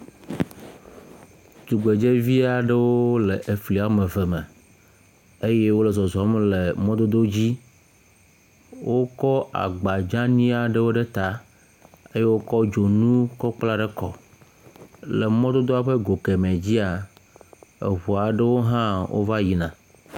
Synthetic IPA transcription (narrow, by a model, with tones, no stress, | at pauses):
tu˨ɡ͡be˨d͡ʒe˦vi˦a˨ɖe˦wo˦le˨ʔe˨fli˨a˨me˨vɛ˨mɛ˨ | e˦je˦wo˦lɛ˨zɔ˨zɔ˨˦mle˨mɔ̃˦d̪o˦d̪o˦d͡ʑi˦ | wʔo˦kɔ˦a̰˨ɡ͡ba˨d͡ʒã˦nĩ˦a˨ɖe˦wo˦ɖe˦t̪a˦ | e˦je˦wo˦kɔ˦d͡ʒo˨nũ˦kɔ˦k͡pla˦ɖe˦kɔ˨ | le˨mɔ̃˦d̪o˦d̪o˦a˦ɸe˦ɡo˨ke˨mɛ̃˨d͡ʑi˦a˨ | ḛ˨ɦu˨a˨ɖe˦wo˦ɦã˦wʔo̰˦va˦ji˨nã˨